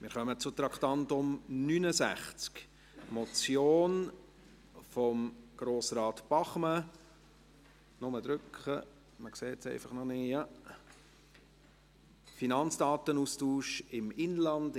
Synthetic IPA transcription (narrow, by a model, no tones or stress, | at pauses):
mɪɾχœmət͡sʊt̪ɾɑkχt̪ɑntʊmnynəzæ̰χt͡sk | mɔt͡sjoːn | fɔmɡ̥ɾoːsɾɑːt̪b̥ɑχmə | nʊməd̪ɾʏkχə | məkseːt͡sɛ̰ɪfɑχnɔnɪjɑ | finɑnt͡sd̥ɑːt̪ənustuːʃɪmɪnlɑnd